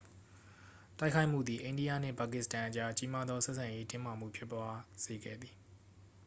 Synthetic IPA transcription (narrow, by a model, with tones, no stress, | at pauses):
ta˦ɪkʰa˦ɪʔm̥ṵ˦˨d̪ði˨ʔẽ˨ɪ̃di˦jä̰˦˨n̥ɪ̰̃˦˨pa˨kɪ˦˨stã˨ʔət͡ɕa˦t͡ɕi˦ma˦d̪ðɔ˦sɛ˦ʔsʰã˨je˦tɪ̃˦ma˨m̥ṵ˦˨pʰjɪ˦pːwa˦z̥e˨ɡɛ̰˦˨d̪ði˨